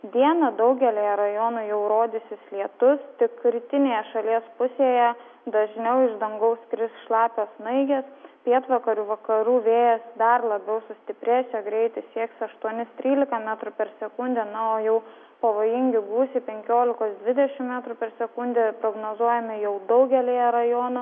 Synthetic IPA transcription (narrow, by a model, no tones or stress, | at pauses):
d̪ʲiɛnɐd̪ɐʊɡʲɛlʲeːjɛɾɐjoːnʊjɛʊɾoːd̪ʲɪsʲɪslʲiɛt̪ʊst̪ʲɪkɾʲiːt̪ʲɪnʲeːjɛʃɐlʲiɛspʊsʲeːjɛ | d̪ɐʒʲnʲɛʊɪʒd̪ɐŋɡɐʊskɾʲɪsʃlˠɑːpʲoːsnɐɪɡʲɛspʲeːt̪ʋɐkɐɾʲuːʋɐkɐɾuːʋʲeːjɛsd̪ɐrlˠɐbʲɛʊsʊsʲt̪ʲɪpʲɾʲeːsʲɛɡɾʲɛɪt̪ɐɪsʲiɛksɐʃt̪uɔnʲɪst̪ʲɾʲiːlʲɪkɐmʲæːt̪ɾʊpʲɛɾsʲɛkʊnʲd̪ʲɛnɐoːjɛʊ | pɐʋoːjɪŋʲɡʲɪɡuːsʲɪpʲɛŋʲkʲoːlʲɪkoːsd̪ʲʋʲɪd̪ʲɛʃʲɪmmʲæːt̪ɾʊpʲɛɾsʲɛkʊnʲd̪ʲɛpɾoːɡnoːzuɔjɛmʲɪjɛʊd̪ɐʊɡʲɛlʲeːjɛɾɐjoːnʊ